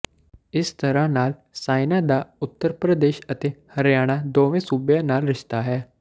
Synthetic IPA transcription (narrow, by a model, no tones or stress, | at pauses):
ɪst̪əɾãːnaːlsaːɪnãːd̪aːʊt̪ːəɾpɾəd̪eːʃət̪eːhəɾjaːɽ̃aːd̪oːʋẽːsuːbjãːnaːlɾɪʃt̪aːɦɛː